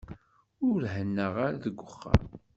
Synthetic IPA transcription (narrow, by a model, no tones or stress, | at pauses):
ʊɾhənːəʁaɾaðəɡʷːʊχːə̰ɾ